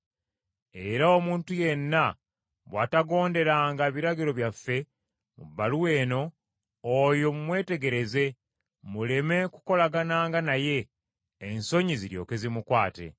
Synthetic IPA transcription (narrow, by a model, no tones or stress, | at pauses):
e̞ɾaomuːntuje̞nːa | βwa̰ːtaɡo̞ːnde̞ɾaːŋɡaβiɾaɡiɾo̞βjafːe̞ | mṵbːaluwe̞ːno̞ː | jo̞mumwe̞ːte̞ɡe̞ɾe̞ze̞ | mule̞me̞kuko̞laɡanaːŋɡanaje̞ː | nso̞ɲiziɾjo̞̰ːkezimukwaːte̞̰